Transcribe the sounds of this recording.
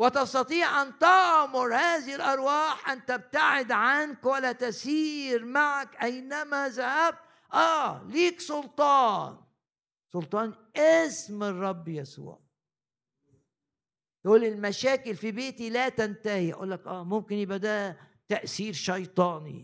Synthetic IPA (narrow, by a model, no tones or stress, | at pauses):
wɪt̪ɑst̪ɑt̪ˤiːʕʔant̪ɪʕmʊɾˤhaːðɪhɪlʔɑɾˤwɑːħʔant̪ab̚t̪aʕɪd̪ʕankwalat̪asiːɾmaʕakʔajnamaðahab̚t̪ | ʔaːliːksˤʊlt̪ˤɑːn | sˤʊlt̪ˤɑːnʔɪsmɨrˤːɑbːjasṵːʕ | t̪ʔuːlːɪlmaʃaːkɪlfibeːt̪ilat̪ant̪ahiʔa̰ʔṵːlːakʔæːmʊmkɪnʔɪbad̪aːt̪aʔθiːɾʃɑjt̪ˤɑːnḭ